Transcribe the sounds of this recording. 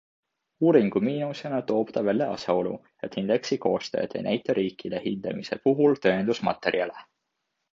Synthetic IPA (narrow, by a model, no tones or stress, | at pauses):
uːɾiŋɡ̥umiːnuse̞nɑt̪o̞ːpt̪ɑvælʲːeɑ̰sjɑo̞lṵ | et̪hind̪̥e̞ksiko̞̰ːst̪øːd̪̥ḛjnæjt̪ːˑɑɾiːkːilehind̪̥ɑmise̞puɦult̪øːnd̪usmɑ̰t̪ːˑe̞ɾiɑle